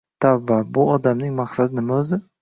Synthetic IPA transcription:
t̪ʰavːabʊɒd̪amnɪŋmaχsad̪ɪnɪmaɵzɪ

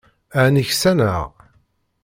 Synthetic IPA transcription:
aʕnəçsænə̰ʁ

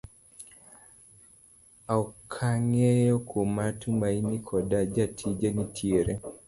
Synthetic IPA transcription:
aukʰaŋejɔkʰomatʰumainikʰɔdad͡ʒatʰid͡ʒanitʰjeɾe

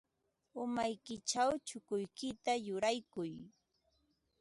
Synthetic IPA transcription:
ʊmajkɪt͡ʃawt͡ʃʊkʊjkɪt̪ajʊɾajkʊj

